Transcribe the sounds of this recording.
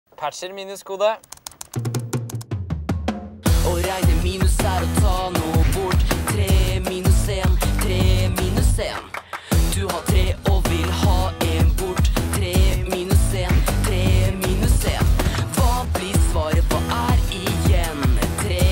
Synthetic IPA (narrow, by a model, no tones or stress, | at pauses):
pʰæʈʃəɾmiːnʉskuːd̪ə | ʔɔɾæɪnəmiːnʉsæɾɔt̪ʰɑːnuːbʊʈːt̪ʰɾeːmiːnʉseːnt̪ʰɾeːmiːnʉseːnd̪ʉhɑːt̪ʰɾeːʔɔʋɪlhɑːɛnbʊʈːt̪ʰɾeːmiːnʉseːnt̪ʰɾeːmiːnʉseːnʋɑːblɪɾsʋɑːɾəpʰɔʔæɾɪjɛnt̪ʰɾeː